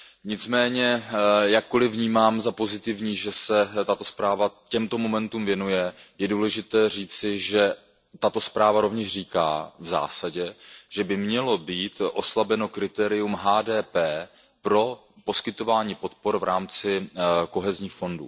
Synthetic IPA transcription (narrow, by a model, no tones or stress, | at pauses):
ɲɪt͡smɛːɲɛjakːo̞lɪvɲiːmaːmzapo̞zɪt̪ɪvɲiːʒɛsɛt̪at̪o̞spɾaːvacɛmt̪o̞mo̞mɛnt̪umvjɛnujɛjɛduːlɛʒɪt̪ɛːr̝iːt͡sɪʒɛ | t̪at̪ospɾaːvaɾo̞vɲɛʃriːka̰ːvza̰ːsaɟɛʒɛbɪmɲɛlo̞biːt̪ʔo̞slabɛno̞kɾɪt̪ɛːɾɪjumɦaːdɛːpɛː | pɾo̞ | po̞skɪt̪o̞vaːɲiːpo̞t̪̚po̞ɾvɾʔaːmt͡sɪko̞ɦɛzɲiːxfo̞ndṵː